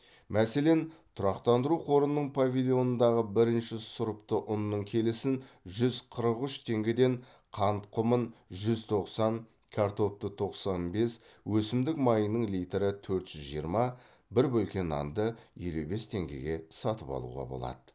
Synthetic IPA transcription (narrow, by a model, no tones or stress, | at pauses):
mʔæse̞le̞nt̪ʰʊɾɑqt̪ɑnd̪əɾuqʰo̞ɾənːəɴpʰavʲilʲˠijo̞nənd̪ɑʁəbɪɾɪnʃɪsʊɾəpt̪əʔʊnːəɴkʲʰe̞lɪsɪnʒʏzqʰəɾəqʏʃt̪ʰe̞ŋɡʲed̪e̞ɴ | qʰɑnt̪qʰʊmənʒʏzt̪ʰo̞qsɑn | kʲʰaɾt̪o̞p̚t̪ət̪ʰo̞qsɑnbe̞s | wɵsɪmd̪ɪkmɑjənəɴlijt̪eɾɪt̪ʰɵɾt̪ʒ̥ʏzʒijəɾmɑ | bɪɾbɵlkʲe̞nɑ̰nd̪əjelube̞st̪ʰe̞ŋɡʲḛɡʲe̞sɑt̪əpɑ̰lˠṵʁɑ̰bo̞̰lˠɑ̰d̪̥ə